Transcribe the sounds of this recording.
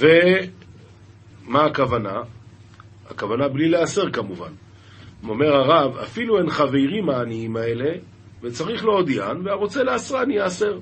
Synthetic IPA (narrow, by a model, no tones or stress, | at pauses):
ve | maːkavana | a̰kavanablilease̞ʁkamuva̰n | o̞me̞ʁaʁava̰filue̞nχavejʁimaːniimae̞le̞ | ve̞t͡saʁiχlood̪ijanveaʁo̞t͡se̞leasʁaanijease̞ʁ